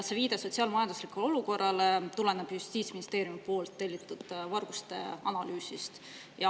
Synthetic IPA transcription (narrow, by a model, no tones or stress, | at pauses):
se̞viːd̪̥eso̞t̪siɑːlmɑjɑnd̪̥uslikuleo̞luko̞rːɑlet̪ule̞neb̥just̪iːt̪sminist̪e̞ːɾjumipo̞ːlt̪ːe̞lʲːit̪ːˑud̪̥vɑrɡ̥ust̪e̞̰ɑnɑlyːsist̪ | jɑ